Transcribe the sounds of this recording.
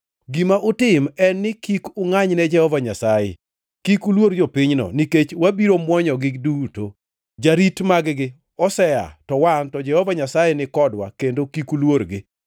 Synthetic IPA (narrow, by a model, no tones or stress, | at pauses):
ɡimaʔʊtɪmɛnːɪkikʊŋaɲnɛd͡ʒɛhɔvaɲasajɛ̰ | kikulwoɾd͡ʒopiɲnɔ̰niket͡ʃwabiɾomwɔɲɔɡɪkduto | d͡ʒaɾitmaɡɡɪ | ɔsɛja̰tɔwantɔd͡ʒɛhɔvaɲasajɛnɪkɔdwa̰kendokikulwoɾɡɪ